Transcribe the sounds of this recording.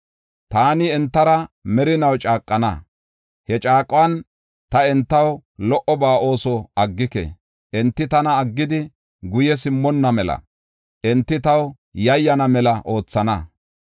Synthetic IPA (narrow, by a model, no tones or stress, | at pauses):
t̪aːnɪɛnt̪ːɐɾɐmɛɾɪnɐwt͡ʃʼaːkʼːɐnɐ̰ | hɛt͡ʃʼaːkʼːwɐn | t̪ɐɛnt̪ːɐwlɔʔɔbaːʔo̞ːsɔɐɡːɪkɛ̰ | ʔɛnt̪ːɪt̪ɐnɐːɡːɪd̪ɪ | ɡʊjɛs̬ɪmːɔnːɐmɛlɐ̰ | ʔɛnt̪ːɪt̪ɐw | jɐjːɐnɐmɛlɐʔo̞ːt͡sːɐnɐ